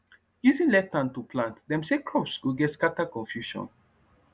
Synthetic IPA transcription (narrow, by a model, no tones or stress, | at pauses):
juzĩnlɛftãntupʰlãntdɛ̃msekʰɹɔpsɡuɡɛtskatakɔ̃nfjuʃɔ̰̃n